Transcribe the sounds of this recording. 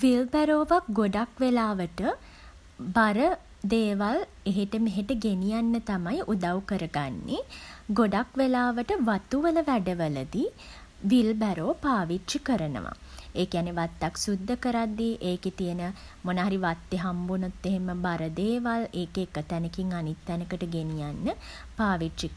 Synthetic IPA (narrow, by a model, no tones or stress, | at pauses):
ʋilbæɾoːʋak̚ɡoɖakʋelaːʋəʈə | baɾə | d̪eːʋal | eɦeʈəmeɦeʈəɡenijanːət̪amajʔud̪awkəɾəɡanːeɡoɖakʋelaːʋəʈəʋat̪uʋələʋæɖəʋələd̪i | ʋilbæɾoːpaːʋitʃikəɾənə̰ʋa̰eːkijanːeʋat̪ːaksud̪ːəkəɾad̪ːiʔeːket̪ijənəmonaɦaɾiʋat̪ːeɦambunut̪ːeɦeməbaɾəd̪eːʋaleːkeːkət̪ænəkiŋanit̪ːænəkəʈəɡenijanːə | paːʋitt͡ʃik